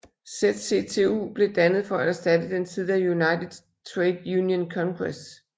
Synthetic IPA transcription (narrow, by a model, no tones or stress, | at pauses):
sed̥se̝t͡sʰe̝ṵːb̥le̝d̥ænəð̞̩ˠfɒ̽ææsd̥æd̥əd̥ent͡sʰið̞̰ˠæjunɑ̈ɪdˠ | t͡sʰʁɛɪd̥juːnjənkʰɒ̽ŋɡ̥ʁes